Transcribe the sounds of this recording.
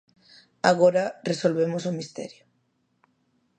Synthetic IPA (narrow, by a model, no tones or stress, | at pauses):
aɣoɾaresolβemosomist̪ɛ̰ɾjo